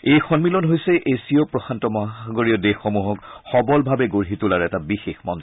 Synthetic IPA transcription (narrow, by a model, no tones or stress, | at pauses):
ejxɔnmilɔnɦojsɛʔesiɔpɹɔxantɔmaɡoɹiɔdexːomuɦɔkxɔbɔlbʱabɛɡoɹɦitulaɹɛtabixexmɔ̰nz